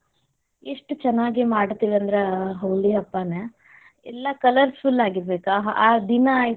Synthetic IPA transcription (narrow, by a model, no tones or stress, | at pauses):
eʂʈut͡ʃɛnːaːɡimaːɽt̪iːʋiɐnd̪ɐɾeɦɐwliɐpːane | ɛlːɐkɐlɐɾsulːaːɡiɾbeːkaːd̪inɐːj